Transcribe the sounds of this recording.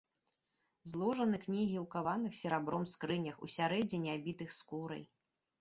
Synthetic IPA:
zlˠɔʐɐnɨknʲiɣʲiwkavanɨxsʲɛɾabɾɔmskɾɨnʲɐxṵsʲaɾɛd͡zʲinʲiabʲit̪ɨxskuɾɐ̰j

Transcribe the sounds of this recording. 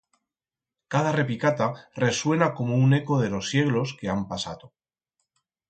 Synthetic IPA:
kað̞are̞pikat̪are̞swe̞nako̞moune̞ko̞ð̞e̞lo̞sːje̞ɣlo̞ske̞ampasa̰t̪o

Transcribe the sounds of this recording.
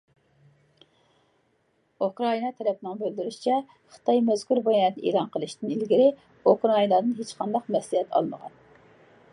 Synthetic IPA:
ukɾɑinɑt̪ʰɛɾɛpnɨŋbøld̪yɾyʃi̥t͡ʃʰɛ | χə̥t̪ʰɑjmɛz̥kuɾbɑjɑnt̪ḛːlˠɑnqʰəlˠɨʃt̪ɨnilɡʲiɾɪ | ukɾɑinɑd̪ɨnɦet͡ʃqʰɑnd̪ɑqmɛslihɛt̪ʰɑ̰lˠnə̰ʁɑ̰n

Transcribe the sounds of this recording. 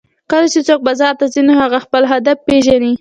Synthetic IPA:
kəlat͡ʃet͡sok̚bɑzɑɾt̪azinohaɣaxpəlɦad̪afpeʒani

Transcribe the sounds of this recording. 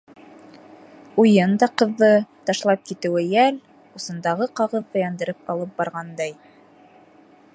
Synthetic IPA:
ujɤnd̪ɑqɤ̆ðːɤt̪ɑʃlˠɑp̚kit̪ɘ̆wɘjæl | usɤ̆nd̪ɑʁɤqɑʁɤðːɤjɑnd̪ɤ̆ɾɤp̚ɑlˠɤp̚bɑɾʁɑnd̪ɑj

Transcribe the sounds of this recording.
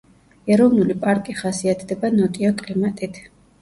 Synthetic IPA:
ɛɾɔvnulipʼaɾkʼiχasiat̪ʰd̪ɛbanɔt̪ʼiɔkʼlimat̪ʼit̪ʰ

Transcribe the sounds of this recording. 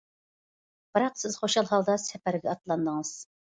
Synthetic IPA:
b̥ɨɾɑqsɪz̥χoʃɑlˠɦɑlˠd̪ɑsɛpæɾɪɡʲɛɑt̪lˠɑnd̪əŋɨz̥

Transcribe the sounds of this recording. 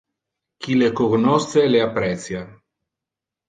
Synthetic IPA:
kilekoɡnɔst̪seleapːɾɛt̪sja

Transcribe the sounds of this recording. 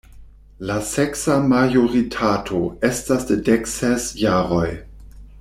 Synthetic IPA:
laseksamajoɾitʰatʰo̞estasdedeksesjaːɾo̞j

